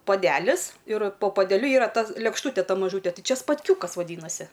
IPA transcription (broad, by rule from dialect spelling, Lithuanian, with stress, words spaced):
poːˈdʲæːlʲɪs ɪr poː poːdʲɛˈlʲʊ ˈiːrɐ ˈtɐ lʲeːkʃˈtuːtʲɛ ˈtɐ mɐˈʒuːtʲɛ ˈtɨ ˈt͡ʃʲɛ spɐtʲˈkʲuːkɐs ʋɐˈdʲiːnɐsʲɪ